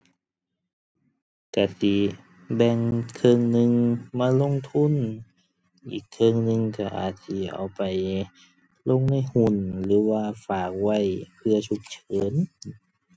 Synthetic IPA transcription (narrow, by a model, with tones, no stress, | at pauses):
ka˧˩si˧˩ | bɛ˧˩ŋkʰɤː˧˨ŋnɯ˧ŋmaː˧˥˧lo˧˨ŋt̪ʰu˧˥˨n | ʔḭː˨˩kʰːɤ˧ŋnɯ˧ŋka˧˩ʔa̰ː˨˩t̪̚si˧˩ʔa̰˨˩wpa˨˩j | lo˧˨ŋna˧˥˩jhu˧˩nlɯː˨˦waː˧˩faː˨˩k̚wa˧˩jpʰɯ˧ɐsʰu˧˦k̚t͡ɕʰɤː˨˦n